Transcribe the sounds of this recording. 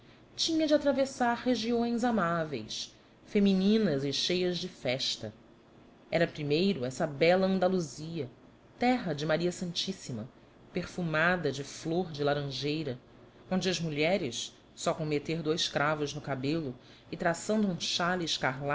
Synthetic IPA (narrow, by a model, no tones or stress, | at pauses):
t͡ʃĩɲɐd͡ʒɪat̪ɾavesaɾheʒiõj̃zamavḛjs | feminĩnɐzɪʃejɐzd͡ʒɪfɛʃt̪ɐ | ɛɾɐpɾimejɾʊɛsɐbɛlɐɐ̃nd̪aluziɐ | t̪ɛɦɐd͡ʒɪmaɾiɐsɐ̃nt͡ʃisimɐ | peɾfumad̪ɐd͡ʒɪfloɾd͡ʒɪlaɾɐ̃ʒejɾɐ | õnd͡ʒɪɐzmuʎɛɾɪs | sɔkõmet̪eɾd̪ojʃkɾavʊznʊkabelʊ | ɪt̪ɾasɐ̃nd̪ʊũʃalɪːʃkaɦla